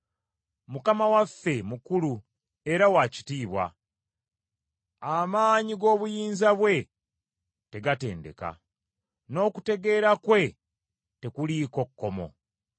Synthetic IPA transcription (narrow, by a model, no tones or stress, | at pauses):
mukamawafːe̞mukulu | e̞ɾawaci̥tiːβwa̰ | amaːɲiɡo̞ːβujiːnzaβwe̞ | te̞ɡate̞̰ːnde̞̰ka̰ | no̞ːkute̞ɡe̞ːɾakwe̞ | te̞kuliko̞kːo̞mo̞̰